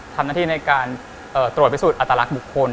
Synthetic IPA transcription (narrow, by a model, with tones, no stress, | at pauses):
t̪ʰa˧mnaː˥˩t̪iː˥˩na˧jkaː˧n | ʔɤː˨˩t̪ɾu˨˩t̪̚pʰi˦˥suː˨˩t̪ʔa˨˩t̪ːa˧la˦˥k̚bu˨˩kʰːo˧n